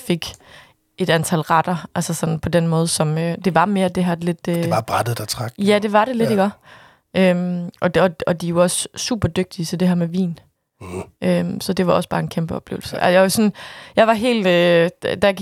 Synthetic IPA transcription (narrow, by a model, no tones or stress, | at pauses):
fe̝ɡ̥ | e̝d̥ænt͡sʰælʁɑd̥ɐʔælsɐsɒ̽n̰n̩pʰɒ̽denmɔ̽ːð̞̩ˠsɒ̽mød̥e̝ʋɑ̈me̝ːɐd̥e̝ɦæɐdele̝d̥øɑb̥ʁad̥ð̩ˠd̥æt͡sʰʁɑɡ̥̚æd̥e̝ʋɑ̈ɾ̥e̝le̝ɾiɡ̥ɒ | ʔømʔɒ̽ɒɒ̽d̥ijo̝ɒ̽ssṵːb̥ɐd̥øɡ̥̚d̥iəsɒ̽d̥e̝ɦæɐ̰meʋḭːn | ʔømsɒ̽d̥e̝ʋɑ̈ɒ̽sb̥ɑ̈ːe̝nkʰemb̥əɒ̽b̥le̝̰ʊlsəʔæ̰sjɑɪosɒ̽njɑ̈ɪʋɑ̈ɦe̝̰ːld̥ø̥d̥æ